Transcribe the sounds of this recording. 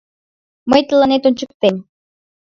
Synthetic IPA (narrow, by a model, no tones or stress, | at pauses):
məjt̪əlɑnet̪unʲt͡ɕək̚t̪em